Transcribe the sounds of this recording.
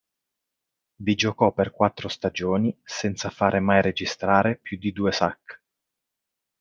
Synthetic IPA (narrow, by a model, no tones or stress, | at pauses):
vid͡ʒokɔpːerkwat̪ːɾost̪ad͡ʒoːnisɛnt̪safaːɾʔemajɾed͡ʒist̪ɾaːɾepjud̪id̪uːesa̰kː